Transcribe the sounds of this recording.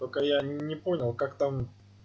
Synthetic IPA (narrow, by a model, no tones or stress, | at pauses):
t̪okəjanʲɪponʲɪlˠkakt̪am